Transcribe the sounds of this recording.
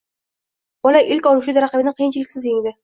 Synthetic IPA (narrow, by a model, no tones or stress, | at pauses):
bɒlaʔɪlkʲɒlˠuʃud̪aɾaqɪbɪnɪqʰijɪnt͡ʃʰɪlɪkʲsɪzjɪŋʲd̪ɪ